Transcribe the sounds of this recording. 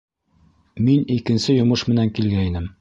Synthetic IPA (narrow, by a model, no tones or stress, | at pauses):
minikɘ̆nsɘjŏmɤʃmɘ̆næŋkilɡæinɘm